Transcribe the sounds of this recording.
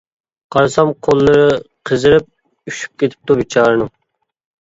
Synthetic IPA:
qʰɑɾsɑmqʰolˠːɨɾɨ | qʰəzɨɾɪp̚ | yʃy̥p̚kʲet̪ʰɪ̥p̚t̪ubit͡ʃʰɑːɾɨnɨŋ

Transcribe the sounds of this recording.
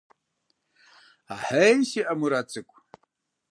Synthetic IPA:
aħesiʔamuɾat͡sʰʼɨkʷʰʼ

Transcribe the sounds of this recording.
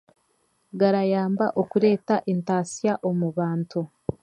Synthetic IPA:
ɡaɾajaːmbaʔo̞kuɾe̞ːtaʔentaːsijaʔo̞muβaːntu

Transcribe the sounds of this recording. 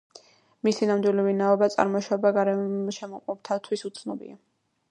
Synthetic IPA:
misinamd̪wilivinaɔbat̪sʼa̰ɾmɔʃabaɡaɾɛʃɛmɔqʼɔp̚t̪ʰat̪ʰwisut̪sʰnɔbḭa

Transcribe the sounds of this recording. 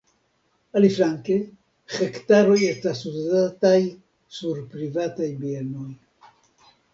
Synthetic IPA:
alifɾaŋke | χekt̪aɾojest̪asuzat̪aj | suɾpɾivat̪ajbienoj

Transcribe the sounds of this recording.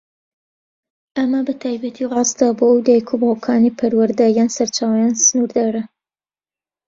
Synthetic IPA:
ʔɐmɐbɐt̪ʰaːjbɐt̪ʰiʁɑːzd̪abowd̪aːjkʰubhokʰaːnipʰɐɾwɐɾd̪ajaːnsɐɾt͡ʃaːwɐjaːnsɨnuɾd̪aɾɐ

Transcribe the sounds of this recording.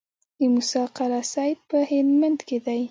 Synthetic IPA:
d̪əmʊsɑqaɾasɑjt̪̚pəhɪnmand̪ked̪aj

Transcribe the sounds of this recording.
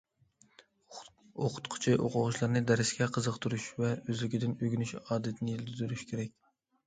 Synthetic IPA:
oqʰʊ̥t̪qʰʊ̥t͡ʃʰɪʔoqʰʊʁʊʃlˠɑɾnɨd̪ɛɾɪsɡʲɛqʰəzəqt̪ʰuɾuʃvɛøzlɪkʲid̪ɪnøɡʲynyʃɑːd̪ɪt̪ʰɪnɪjild̪yd̪yɾyʃkʲʰeɾɛkʲ

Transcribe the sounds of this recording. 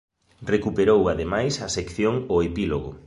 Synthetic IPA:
rekupeɾowaðemajsɐsekθjoŋoepiloɣʊ̰

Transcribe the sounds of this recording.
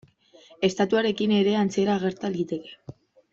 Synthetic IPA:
e̞st̪at̪uaɾe̞kine̞ɾe̞ant͡sieɾaːɣ̞e̞ɾt̪alit̪e̞ke̞̥

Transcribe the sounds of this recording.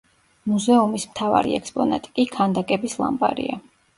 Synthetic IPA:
muzɛumismt̪ʰava̰ɾḭɛkspʼɔnat̪ʼi̥kʼikʰand̪akʼɛbislˠa̰mbʼa̰ɾḭa

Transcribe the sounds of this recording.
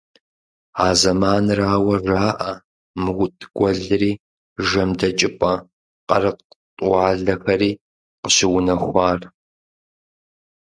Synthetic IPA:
aːzɐmaːnraːwɐʒaːʔɐ | mɨwʷʊtʼɡ̥ʷɔɮɨriː | ʒɐmdɐt͡ʃʼɪpʼɐ | qʼɐ̰rɨq | tʼɑːɮɐxɐɾiː | qəɕɪwʊnɐxʷaːr

